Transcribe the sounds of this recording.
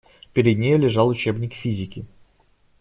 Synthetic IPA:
pʲɪɾʲɪd̪ʲnʲejəlʲɪʐɑlˠʊt͡ɕebnʲɪkfʲizʲɪkʲɪ

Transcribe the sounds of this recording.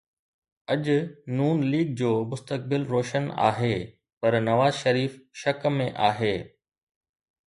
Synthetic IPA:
ɐʄʊnuːnliːɡ̚d͡ʑoːmʊst̪ək̚bɪlɾoːʃəna̰ːɦeː | pɐɾnɐʋaːzʃɐɾiːfʃɐkmːẽʔaːɦeː

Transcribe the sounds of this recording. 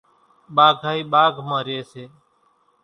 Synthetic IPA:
ɓaːɡʱaːiːɓaːɡʱməːɾeːseː

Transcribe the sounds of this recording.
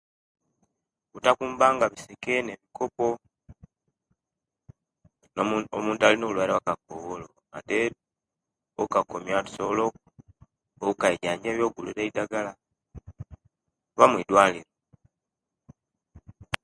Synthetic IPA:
βutakuːmbaːŋɡaβisekene̞βikʰo̞po̞ | nomuːntualinolwaɾawakakoβolo | a̰te | okakomjatu̥solo | oukaeɟaːɲɟaβjo̞ːɡuluɾeidaɡala | βamwidwaːliɾo

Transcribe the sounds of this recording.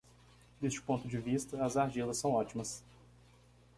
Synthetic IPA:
d̪est͡ʃɪʊ̥põnt̪ʊd͡ʒɪvist̪ɐɐzaɾd͡ʒilɐsːɐ̃w̃ɔt͡ʃimɐs

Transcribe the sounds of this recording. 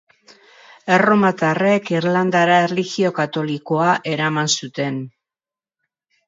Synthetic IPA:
e̞ro̞mat̪are̞kiɾland̪aɾaerliɣio̞kat̪o̞liko̞aʔe̞ɾamansut̪e̞n

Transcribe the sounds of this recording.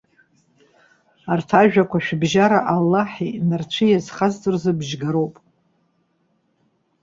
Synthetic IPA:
artʰaʒᶣakʷʰaʃᶣbʒaɾaʔalːaħinart͡ʃʷʰɨjazχazdɨrzɨbʒɡaɾowpʼ

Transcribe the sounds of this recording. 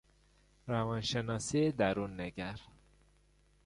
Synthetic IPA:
ɾævɒnʃenɒːsied̪æɾunːeɡæɾ

